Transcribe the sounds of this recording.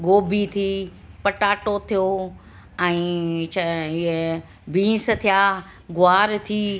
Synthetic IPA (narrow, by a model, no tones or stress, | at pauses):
ɡoːbʱit̪ʰiː | pɐʈaːʈot̪ʰijo | ɛ̃ːt͡ʃʰɪɦe | bʱĩːs̆t̪ʰijaː | ɡʊaːɾt̪ʰiː